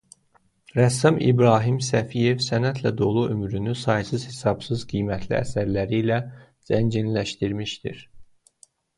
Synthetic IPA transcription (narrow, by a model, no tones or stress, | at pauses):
ɾæsɑmḭbɾɑːɦimsæfije̞vsænæt̪ʰlæd̪o̞lˠuʔømɾynysɑjsɯz̥he̞sɑb̥sɯzɡijmæt̪ʰlḭæ̰sæɾlæɾilæ | z̥ænd͡ʒinlæʃt̪iɾmiʃd̪ḭɾ